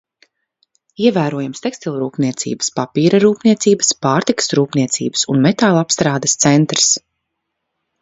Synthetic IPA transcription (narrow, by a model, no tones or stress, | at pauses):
iɛvæːɾuɔjamst̪ɛkst̪ilˠʲɾuːpniɛt̪sḭːbə̥spapiːɾaɾuːpniɛt̪siːbəspaːɾt̪ikə̥sɾuːpniɛt̪sḭːbə̥sunmɛt̪aːlˠapst̪ɾaːd̪əst̪sɛnt̪ɾs